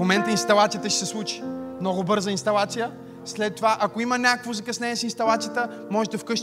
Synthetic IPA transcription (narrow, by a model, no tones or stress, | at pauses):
momɛnt̪əinst̪ɐlˠat̪sijət̪əʃɛ̥sɛslˠut͡ʃi̥mnɔɡobɤɾzəinst̪ɐlˠat̪sijə | slɛt̪ːovaʔɐkoimənʲakəkvozɐkɐsnɛɛsinst̪ɐlˠat̪sijət̪ə | mɔʒɛd̪ɐfkɤʃ